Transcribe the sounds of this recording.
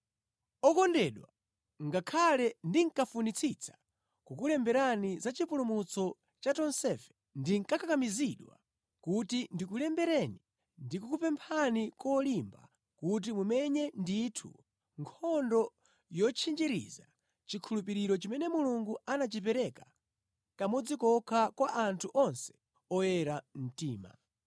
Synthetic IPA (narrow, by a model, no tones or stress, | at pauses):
ɔkɔndɛɗwa̰ | ŋɡakʰalɛndiŋ̩kafunit͡sʰit͡sʰḁ | kukulɛmbɛɾanizat͡ʃipulumut͡sɔ | t͡ʃatɔnsɛfɛ̥ | ndiŋkakakamiziɗwa̰ | kutindikulɛmbɛɾɛni | ndikukupɛmpʰanikɔlimba̰ | kut̬imumɛɲɛnditʰṵ | ŋkʰɔndɔ | jɔt͡ʃʰind͡ʒiɾḭza̰ | t͡ʃikʰulup̬iɾiɾɔt͡ʃimɛnɛmuluŋɡuanat͡ʃip̬ɛɾɛka | kamɔd͡zikɔkʰakwaʔantʰuʔɔnsɛ̥ | ɔjɛɾam̩tiːma̰